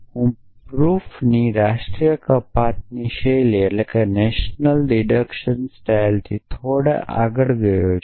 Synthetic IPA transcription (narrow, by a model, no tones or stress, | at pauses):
hũ | pɾuːfniɾaːʃʈɾijəkɐpat̪̚niʃelielekɐneʃnəlɖiɖəkʃənsʈaːjlt̪ʰit̪ʰoːɽa̰ʔa̰ɡəɽɡəjo